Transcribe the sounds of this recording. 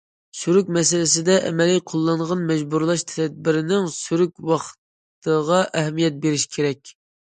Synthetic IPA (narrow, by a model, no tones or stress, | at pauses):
syɾykʲmɛsɪlɪsɪd̪ɛʔɛ̰mɛlijqʰolˠːɑɴʁɑnmɛd͡ʒbuɾlˠɑʃt̪ʰɛd̪̚bɪɾɪnɪŋsyɾykʲwɑχt̪ | t̪əʁɑʔɛɦɛmijɛt̪̚beɾɪʃkʲʰeɾɛkʲ